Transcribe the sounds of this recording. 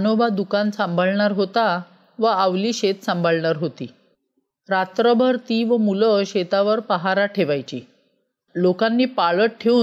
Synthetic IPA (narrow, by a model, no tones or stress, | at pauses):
nobad̪ukansãmbʱaɭɳaɾɦot̪a | ʋəaʋliːɕet̪səmbʱaɭɳaɾɦot̪iː | ɾat̪ɾəbʱəɾt̪iʋəmuləɕet̪aʋəɾpəɦaɾaʈʰeʋajt͡ɕiː | lokanːiːpaɭəʈ̚ʈʰeuː